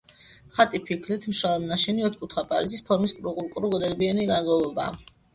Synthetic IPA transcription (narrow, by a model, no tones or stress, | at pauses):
χat̪ʼipʰikʰlit̪ʰmʃalˠad̪naʃɛniɔt̪̚ʰkʼut̪ʰχapʼa̰lisispʰɔɾmiskʼɾukʼuɾkʼɾuɡɔd̪ɛlbiɛniɡaɡɔvɔba̰ː